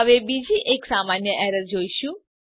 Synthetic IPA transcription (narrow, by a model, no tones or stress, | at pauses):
əʋebid͡ʒiʔeksamanjəʔɛɾəɾd͡ʒoiʃũ